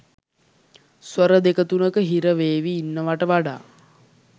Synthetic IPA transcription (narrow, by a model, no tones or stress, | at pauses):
sʋəɾəd̪ekət̪unəkəɦiɾəʋeːʋiːnːəʋaʈəʋaɖa̰ː